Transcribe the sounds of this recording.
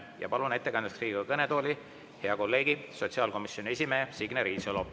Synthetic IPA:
jɑ̰pɑlune̞t̪ːekɑnd̪eksriːɡi̥ɡɑɑkɤnet̪o̞ːlʲi | he̞ɑko̞lːe̞ːɡ̥iso̞t̪ʲsiɑːlko̞misːjo̞nʲie̞s̬ʲime̞ːsiɡ̥neɾiːsolo

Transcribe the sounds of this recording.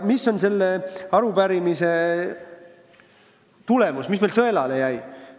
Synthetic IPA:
misːo̞nse̞lːeɑɾubæɾimise̞ | t̪ule̞musmisme̞lsɤelɑlejæj

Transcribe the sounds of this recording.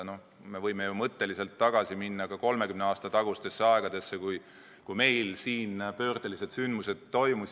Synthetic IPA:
no̞ | me̞vɤjme̞jumɤt̪ːe̞lise̞lt̪ːɑɡ̥ɑsiminːɑkɑko̞lme̞kymneɑːst̪ɑt̪ɑɡ̥ust̪e̞sːeɑe̞ɡ̥ɑd̪e̞sːekuj | kujme̞jlsiːnpø̞ːrd̪̥elise̞d̪synd̪muse̞d̪̥̚ːo̞jmus

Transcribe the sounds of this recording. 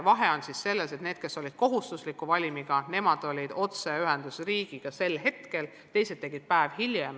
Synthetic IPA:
vɑɦe̞o̞nsisse̞lːese̞t̪ne̞ːd̪̥ke̞sːo̞lʲid̪̥ko̞ɦust̪uslikːuvɑlʲimiɡ̥ɑne̞mɑd̪̥o̞lʲid̪̥o̞t̪seyɦend̪̥usriːɡ̥iɡ̥ɑse̞lɦe̞t̪ke̞l | t̪e̞jse̞d̪̚t̪ːe̞ɡ̥id̪̥̚pæevhiljem

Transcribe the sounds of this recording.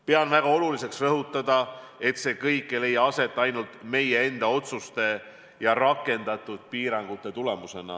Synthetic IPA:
pe̞ɑnvæɡ̥ɑo̞lulise̞ksrɤɦut̪ːˑɑd̪̥ɑe̞t̪se̞kɤjkːele̞jːɑɑse̞t̪ːˑɑjnult̪me̞jee̞nd̪̥ɑo̞t̪sust̪e̞ | jɑrɑkːˑe̞nd̪̥ɑt̪ːˑud̪̥̚piːɾɑŋɡ̥ut̪ːˑe̞t̪ule̞muse̞nɑ̰

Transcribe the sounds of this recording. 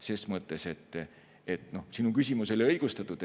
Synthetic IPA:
se̞ːsmɤt̪ːˑe̞se̞t̪ːˑ | et̪no̞sinukysʲimuso̞lʲiɤjɡ̥ust̪ɑt̪ːˑud̪

